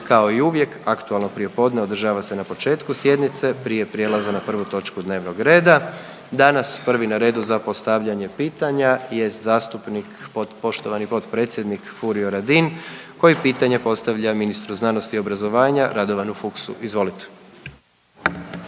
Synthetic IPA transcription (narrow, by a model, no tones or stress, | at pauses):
kao̞iuʋje̞kakt̪ualˠno̞pɾije̞po̞ːd̪ne̞o̞d̪r̩ʒaːʋase̞napo̞t͡ʃe̞ːt̪kusje̞d̪nit̪se̞pɾije̞pɾje̞lˠazanapr̩ʋut̪o̞t͡ʃkud̪ne̞ːʋno̞ɡɾe̞ːd̪a | d̪anaspr̩ʋinaɾe̞ːd̪uzapo̞st̪aʋʎaɲe̞piːt̪aɲaje̞st̪zaːst̪upnikpot̪po̞ʃt̪o̞ʋanipo̞t̪pɾe̞t̪sʲjed̪nikfuɾioɾad̪inko̞jipiːt̪aɲe̞po̞st̪aʋʎaminist̪ɾuznano̞st̪io̞bɾazo̞ʋaːɲaɾad̪o̞ʋanufuksṵʔizʋo̞lit̪e̥